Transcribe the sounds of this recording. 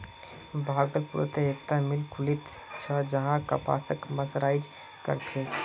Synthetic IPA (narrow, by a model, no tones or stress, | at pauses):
bʱaɡət̪puɾo̰t̪eekt̪amilkʰulit̪t͡ʃʰəd͡ʒəɦãkə̰pa̰səkməsɾajd͡ʒ | kə̰ɾt͡ʃʰɛ